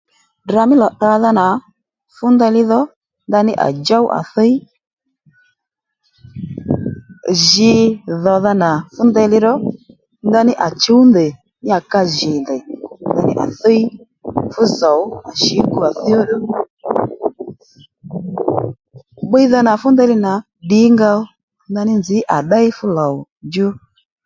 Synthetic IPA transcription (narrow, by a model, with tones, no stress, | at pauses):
dɾa˨˧mɪ˦lɔ˨ɗa˧ða˧na˨ | fʊ˦ndɛ˧lɪ˦ðɔ˦ | nda˧nɪ˦ʔa̰˨d͡ʒa˦wʔa̰˨θɔ˦i˦ | ʒɪ˧ðɔ˨ða˧na˨fʊ˦ndɛ˧˦lɪ˧ɾɔ˦ | nda˧nɪ˦ʔa˨t͡ʃu˦wndɛ˨ | nɪ˦a˨ka˧ʒi˨ndɛ˨da˧nɪ̰˦ʔa̰˨θɔ˦i˦ | fu˦zɔ˨u˦a˨ʃi˨˦ku˦a˨θi˦ɔ˦ɗu˦ | ɓi˦i˦ða˧na˨fu˦ndɛ˧˦lɪ˧na˨ | ɗi˨˦ŋɡa˧ɔ˦ | nda˧nɪ˦nzi˨˦ʔa˨ɗa˦i˦fu˦lɔ˨u˨ | d͡ʒu˦